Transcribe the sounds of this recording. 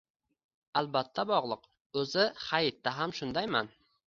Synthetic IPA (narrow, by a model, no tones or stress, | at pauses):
albat̪ʰːabɒʁlˠɨq | ɵzɪhajɪt̪ːaɦamʃʊnd̪ajman